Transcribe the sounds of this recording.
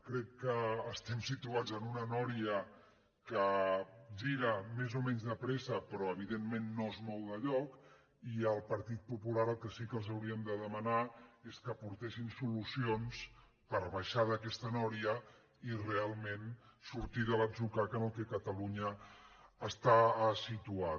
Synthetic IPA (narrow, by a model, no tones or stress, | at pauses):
kɾɛkːəːst̪ɛmsit̪uad͡zənunənɔɾiə | kə | ʒiɾəmezomɛɲzðəpɾɛsəpɾɔəβ̞iðemmenːoezmɔwðəʎɔk | iəlˠpəɾt̪it̪̚pupulaɾəlˠkəsikəlˠzəwɾiəmd̪əðəmənaeskəpuɾt̪ɛʃinsulusions | pəɾβaʃaðəkɛst̪ənɔɾiə | irealˠmensuɾt̪iðələzukakənot̪ekət̪əluɲəː | st̪asit̪ua